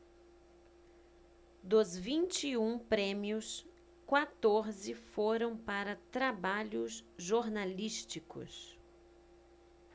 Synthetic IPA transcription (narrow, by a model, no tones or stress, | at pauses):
d̪ʊzvĩnt͡ʃiũpɾẽmjʊs | kwat̪oɾzɪfoɾɐ̃w̃paɾɐt̪ɾabaʎʊzʒoɾnaliʃt͡ʃikʊ̰s